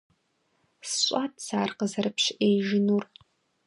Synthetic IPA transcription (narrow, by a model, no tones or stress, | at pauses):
sɕʷʼatʰʼsaːrqəzɐrɨpʃʔejʒɪnur